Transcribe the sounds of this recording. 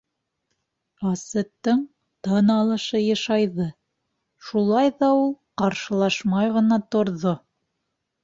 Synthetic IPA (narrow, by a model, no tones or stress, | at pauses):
ɑsɤ̆t̪ːɤɴ | t̪ɤnɑlˠɤ̆ʃɤjɑ̆ʃɑjðɤ | ʃulˠɑjðɑulˠqɑɾʃɤ̆lˠɑʃmɑjʁɤ̆nɑt̪ŏɾðo